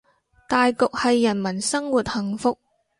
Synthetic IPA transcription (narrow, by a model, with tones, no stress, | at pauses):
t̪aː˨jkʊ˨k̚hɐ˨jːɐ˨˩nmɐ˨˩nsɐ˥ŋwuː˨t̚hɐ˨˩ŋfʊ˨k̚